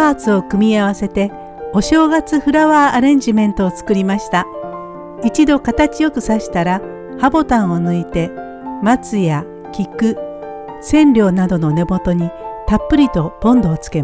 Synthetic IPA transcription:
aːt͡sɨo̞kɯ̟mʲiaβ̞ase̞t̪e̞ | o̞ɕo̞ːɡat͡sɨɸɯ̟ɾaβaːʔaɾẽ̞ɲ̟d͡ʑimẽ̞nt̪o̞ːt͡sɨ̥kɯ̟ɾʲimaɕi̥t̪a | it͡ɕid̪o̞kat̪at͡ɕijo̞kɯ̟saɕi̥t̪aɾa | habo̞t̪ãɰ̃o̞nɯ̟it̪e̞ | mat͡sɨja | kʲikɯ̟ | sẽ̞nɾʲo̞ːnad̪o̞no̞ne̞mo̞t̪o̞ɲ̟it̪apːɯ̟ɾʲit̪o̞b̥õ̞nd̪o̞ːt͡sɨ̥ke̞

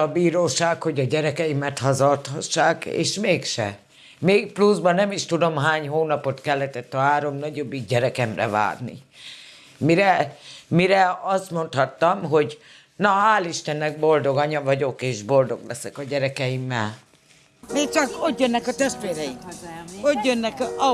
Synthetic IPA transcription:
ɒbiːɾoːʃaːkho̞ɟɒɟɛɾɛkɛjimɛt̪hɒzɒlt̪hɒʃːaːkḛːʃmeːkʃɛ̰ | meːk̚pluzbɒnɛmiʃt̪ud̪o̞mɦaːɲɦoːnɒpo̞t̪kɛlːɛt̪ɛt̪ːɒɦaːɾo̞mnɒɟo̞bːiɡɟɛɾɛkɛmrɛ̰va̰ːrnḭ | miɾɛmiɾɛɒst̪mo̞nt̪hɒt̪ːɒmɦo̞ɟ | nɒaːliʃt̪ɛnːɛɡ̚bo̞ld̪o̞ɡɒɲɒvɒɟo̞keːʒbo̞ld̪o̞ɡlɛsɛkɒɟɛɾɛkɛjimːɛ̰l | meːkt͡ʃɒkot̪jønːɛkɒt̪ɛʃt̪ʋeːɾɛjiot̪jønːɛk

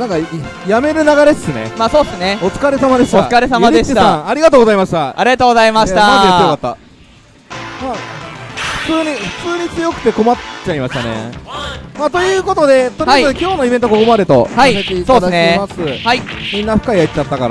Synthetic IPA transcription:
nãŋka | jame̞ɾɯ̟naɡaɾe̞desɨne̞̰maːsoːd̪esɨne̞ot͡sɨ̥kaɾe̞samad̪e̞ɕi̥oasɨkaɾesamad̪e̞ɕit̪aãaɾʲiɡat̪oːɡozaimaɕi̥t̪aaɾiɡat̪oːɡozaimaɕit̪anãejejokat̪ːa̰ | ma | ɸɯ̟̥t͡sɨːɲ̟iɸɯ̟̥t͡sɨːɲ̟it͡sɨjo̞kɯ̟t̪e̞ko̞matt͡ɕaimaɕi̥t̪a̰nḛ | maːt̪o̞jɯ̟ːko̞t̪o̞d̪e̞t̪oɾiaoit̪oekʲo̞ːno̞ibent̪oko̞ko̞mad̪e̞t̪o̞̰haimet̪eso̞ːeɨnemasɨhaimʲĩnːaɸɯ̟̥kaijait̪t͡ɕat̪ːakaɾa̰

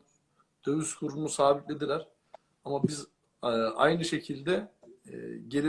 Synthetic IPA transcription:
d̪̥ø̞vyskʰuɾumusaːbit̪lʲe̞d̪ilʲæɾ̥ | amabiz | a̰jnɯʃe̞cʰilʲd̪ɛ̰ | ɟe̞lʲi

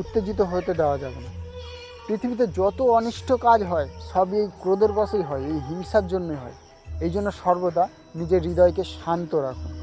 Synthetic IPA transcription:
ut̪ːed͡ʑit̪̬oɦot̪ed̪ɛoad͡ʑabena | pɾit̪ʰibit̪̬ed͡ʑɔt̪oɔniʃʈʰokad͡ʑɦɔeʃɔbiejkɾod̪eɾkɔsʰejɦɔeejɦiŋʃaɾd͡ʑonːojɦɔ̰e | ejd͡ʑonːoʃɔɾbot̪a | nid͡ʑeɾːid̪ɔekeʃant̪oɾakʰun

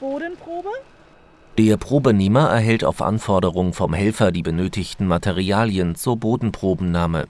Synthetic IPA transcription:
b̥oːdnpʁ̥oːbə | d̥eːɐpʁ̥oːbəneːmɐʔɛɐɦɛlta̰ʊfʔa̰nfɔɐɾəʁʊŋfɔmhɛlfɐdiːbənøːtɪçtn̩matʰeʁiaːljənt͡suːɐboːdn̩pʁ̥oːbm̩naːmə̰

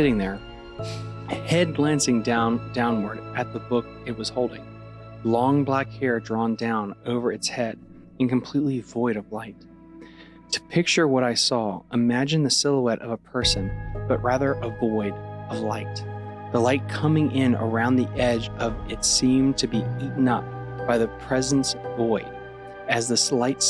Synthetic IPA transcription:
sɪɾɪ̃ŋðə˞ | hɛd̚ɡlæ̃nsɪ̃ŋdãʊ̃nd̥ãʊ̃nwə˞ɾʔɨt̪̚ðəbʊk̚ | ɨt̚wʌz̥hoʊlˠdɪ̃ŋlɔ̃ŋblækhɛɹdɹɔ̃ndãʊ̃noʊvə˞ɨtshɛɾ | ɨ̃nkʰɨ̃m̩pʰl̥itˡlivɔɪɾʌvlaɪtʰ | ɨ̥pʰɪk̚t͡ʃə˞wʌɾaɪsɔəmæd͡ʒɨ̃nðɨsɪlˠəɛɾʔʌ̰vəpʰɜ˞sɨ̃nb̥ʌʔ̚ɹæðə˞ʔəvɔɪɾʌvlaɪt̪̚ | ðəlaɪt̚kʰʌmɪ̃ŋʔɪ̃nə̰˞ãʊ̃nðiʔɛd͡ʒʌvɨtsĩmtʰɨbiiʔn̩ʌp̚ | b̥aɪðɨpʰɹ̥ɛz̃n̩svɔɪ | ɨzðɨslaɪts

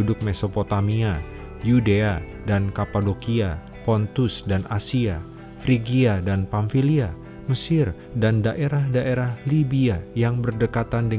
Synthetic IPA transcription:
udʊk̚mesopot̪amia | judea | dankapadokia | pɔnt̪usdanʔasia | fɾiɡiadanpaɱfilia | məsɪr | dandaʔeɾahdaʔeɾahlibiajaŋbərdəkat̪andə

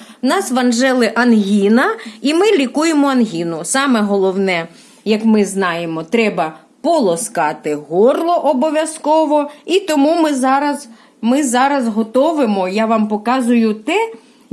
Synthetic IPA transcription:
wnɑsʋɐnʒɛlˠɪʔɐnɦʲinɐimɪlʲikujemɔɐnɦʲinʊsɑmɛɦɔlˠɔwnɛ | jɐkmɪznɑjemɔt̪ɾɛbɐ | pɔlˠɔskɑt̪ɪɦɔrlˠɔʔɔbɔʋʲjɐskɔʋɔit̪ɔmumɪzɑɾɐz | mɪzɑɾɐzɦɔt̪ɔʋɪmɔjɑʋɑmpɔkɑzʊjʊt̪ɛ

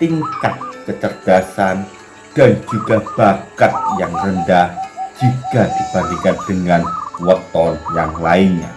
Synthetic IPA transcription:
t̪iŋkat̪̚kət͡ʃərd̥asan | d̥and͡ʒuɡab̥akat̪̚jaŋrəndahd͡ʒikad̪̥ib̥aɾikand̥əŋanwɔt̪ɔrjaŋlaiɲa̰

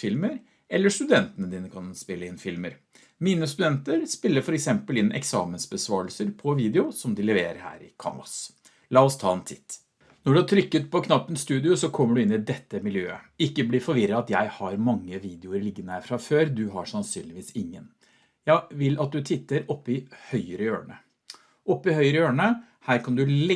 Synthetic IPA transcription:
fɪlməɾ | ɛlːəʂt̪ʉd̪ɛnt̪ənəd̪iːnəkʰɑnspɪlːəɪnfɪlməɾ | miːnəst̪ʉd̪ɛnt̪əɾspɪlːəɾfɔɾɛksɛmpəlɪnːʔɛ̰ksɑ̰ːmənsbəsʋɑːəlsəɾpʰɔʋiːd̪ɛʊsɔmd̪ɪlɛʋeːɾə̰ɾhæ̰ːɾɪ̰kʰɑ̰ːmɑ̰s | lɑːɔst̪ʰɑ̰ːɛnt̪ʰɪt̪ː | nɔɖʉæʈ̪ʰɾʏkːət̪̚pʰɔkʰnɑpːənst̪ʉːd̪ɪʊsɔkʰɔmːəɖʉɪnːɪd̪ɛt̪ːəmɪljø̰ːəɪkːəblɪɾfɔɾʋɪɾəɑt̪jæɪhɑɾmɑŋːəʋiːd̪ɪʊəɾlɪɡːənəæfɾɑføːɾd̪ʉɦɑʂɑnsy̰ːnlɪʋiːsɪŋːən | jæɪʋɪlɑt̪̚d̪ʉt̪ʰɪt̪ːəɾɔpːɪhœʏəɾəjøːɳə̰ | ʔɔpːɪhœʏəɾəøːɳə | hæːɾkʰɑnd̪ʉl

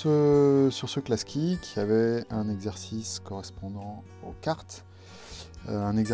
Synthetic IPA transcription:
əsyʁsəklaskʲikʲʰiavɛɛ̃nɛɡzɛʁsiskɔʁɛspɔ̃d̪ɑ̃ | okaʁt̪ | øɛ̃nɛɡzɛ

